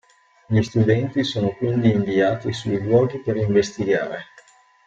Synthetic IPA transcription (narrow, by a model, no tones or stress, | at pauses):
ʎist̪ud̪ɛnt̪isoːnokwind̪iːɱviaːt̪isujʎwɔːɡipeɾiɱvest̪iɡa̰ːɾe